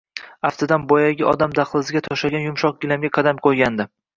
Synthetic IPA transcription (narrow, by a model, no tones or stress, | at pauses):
aft̪ʰɪd̪anbɒjaɡʲɪʔɒ̰d̪amd̪aχlˠɪzɪɡʲat̪ʰɒʃaɡʲanjʊmʃɒq̚ɡʲɪlamɡʲaqʰɑd̪amqʰojɡʲand̪ɪ